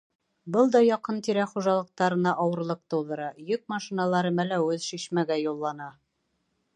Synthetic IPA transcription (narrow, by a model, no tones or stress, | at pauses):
bɤlˠd̪ɑjɑqɤnt̪iɾæχuʒɑlˠɤ̆q̚t̪ɑɾɤ̆nɑʔɒwɤ̆ɾlˠɤq̚t̪ɤ̆wðɤ̆ɾɑjɵk̚mɑʃinɑlˠɑɾɤmælæwɵðʃiɕmæɡæjulˠːɑnɑ